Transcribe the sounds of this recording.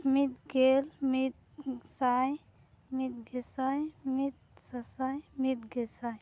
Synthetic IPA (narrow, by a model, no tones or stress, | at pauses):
mit̪ɡelmit̪̚ | saj | mit̪̚ɡesajmit̪̚sasajmit̪̚ɡelsaj